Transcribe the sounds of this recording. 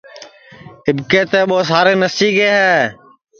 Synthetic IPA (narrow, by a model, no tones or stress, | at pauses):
ɪbkeːt̪eːɓoːsaːɾeːnəsiːɡeːɦɛː